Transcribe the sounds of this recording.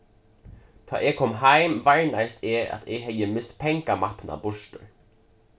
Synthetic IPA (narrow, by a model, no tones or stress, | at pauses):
d̪̥ʰɑ̰ːʔeːkʰɔmɦæɪmvæɹnæɪst̪ʰeːʔɑ̰t̪ʰɛɡɦɛjəmɪst̪pʰɛŋkamɑpnʔa̰bʊʃʈə̰ɹ